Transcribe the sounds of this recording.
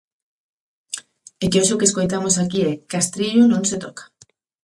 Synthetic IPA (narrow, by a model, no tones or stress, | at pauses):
ekeoʃʊkeskojt̪amosakiɛkast̪ɾiʎʊnõŋset̪okḁ